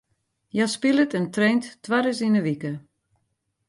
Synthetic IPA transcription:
jaspilˠətɛntrejnttʋaɾəsinəʋikə

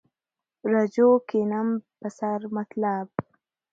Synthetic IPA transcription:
ɾad͡ʒokenampəsaɾmat̪lab̚

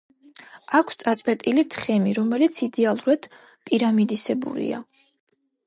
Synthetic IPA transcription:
akʷʰst̪sʼat̪sʼwɛt̪ʼilit̪ʰχɛmiɾɔmɛlit̪sʰid̪ɛalˠuɾad̪̥ | pʼiɾamid̪isɛbṵɾḭa̰

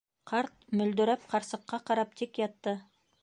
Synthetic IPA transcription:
qʰɑɾt̪̚mʏld̪ɪɾæp̚qʰɑɾsəqːɑqʰɑɾɑp̚t̪ʰekjɑt̪ːə

